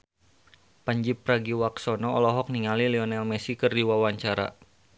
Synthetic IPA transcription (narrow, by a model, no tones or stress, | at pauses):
paɲd͡ʒip̚raɡiwaksɔnɔɔlɔɦɔk̚niŋalilɛɔnɛlmɛsikɨrdiwawaɲt͡ʃaɾa̰